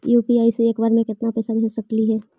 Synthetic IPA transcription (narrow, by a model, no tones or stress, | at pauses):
juːpiaːiseeːkbaːɾmẽkɪt̪napɛːsabɦẽsɐkliɦɛː